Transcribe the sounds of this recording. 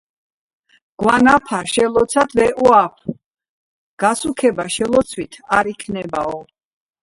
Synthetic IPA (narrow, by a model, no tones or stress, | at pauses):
ɡ̥wanapʰaʃɛlɔt̪sʰad̪vɛʔuapʰ | ɡ̥asukʰɛbaʃɛlɔt̪sʰwit̪ʰaɾikʰnɛbaɔ